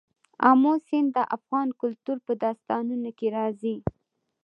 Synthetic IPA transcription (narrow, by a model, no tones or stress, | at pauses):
ɑ̰mosɪnd̪əʔafɣɑnkʊlt̪uɾpəd̪ɑst̪ɑnunokeɾɑzi